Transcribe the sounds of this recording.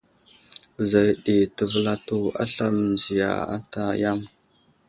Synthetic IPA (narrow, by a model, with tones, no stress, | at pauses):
bə˨za˨jɗi˨tə˨və˦˨la˦tu˦a̰˦ɬa˦m˨nd͡ʒi˨ja̰˨a̰˦ta˨ja˦m